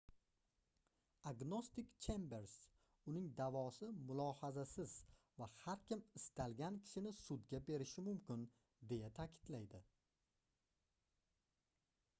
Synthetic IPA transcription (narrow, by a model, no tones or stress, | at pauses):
aɡno̞st̪ɪkt͡ʃʰembe̞ɾs | ʊnɪŋd̪avɒsɪmʊlˠɒhazasɪz | vahaɾkʲɪmɪst̪ʰalɡʲankʲʰɪ̥ʃɪnɪsʊd̪ɡʲabe̞ɾɪʃɪmʊmkʲʰɪn | d̪e̞jat̪ʰakʲʰɪ̥d̪̥lajd̪ɪ